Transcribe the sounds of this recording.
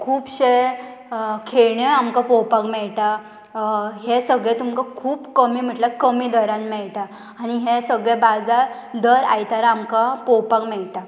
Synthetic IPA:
kʰuːpɕe | kʰeɭɳjɔamkapɔwpakmɛɭʈ̪a | ɦesəɡɭẽt̪umkakʰuːpkəmiːm̤əʈlakəmiːd̪əɾãnmɛɭʈaː | ɽ̃iɦesəɡɭebad͡zaɾd̪əɾa̰jt̪aɾaːmkapɔwpakmɛɭt̪a

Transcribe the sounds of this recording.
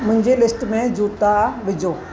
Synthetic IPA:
mʊ̃ɦɪ̃ɲd͡ʑelɪsʈmẽd͡ʑuːt̪aʋɪd͡ʑoː

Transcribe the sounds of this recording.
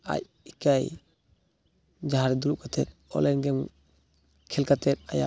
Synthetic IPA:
a̰c̚ | ikaj | d͡ʒaɦaɾɛd̪uɾuʔ̚kʰat̪ʰɛt̪̚ɔ̰lɛnɡɛm | kʰɛlkat̪ʰɛt̪̚a̰ja̰

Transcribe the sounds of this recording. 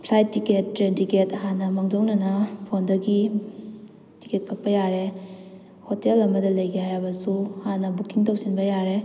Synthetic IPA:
pʰlajtːiketːɾentiketɐɦanɐmaŋd͡ʒownɐnɐpʰondɐɡi | ti̥ket̚kʰɐk̚pɐjaɾe | hotelɐmɐdɐlɐjɡehajɾɐbɐsuɐhanːɐbukiŋtɐwsinbɐjaɾe

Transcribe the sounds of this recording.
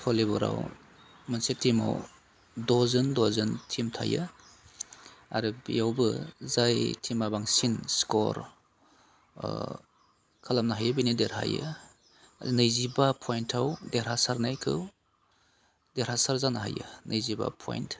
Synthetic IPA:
pʰɔlibɔɾa̰w | mɯnsitʰima̰w | dɔzɯndɔzɯntʰimtʰa̰jɯ̰ | a̰ɾɯbḭjawbɯzajtʰimabaŋsinskɔɾ | kʰalamnaɦajabinideɾha̰jɯ̰ | nɯjzibapʰɔjntʰawdeɾasaɾnajkʰɯw | deɾhasaɾzanaɦa̰jɯ̰nɯjziba̰pʰɔ̰jnt

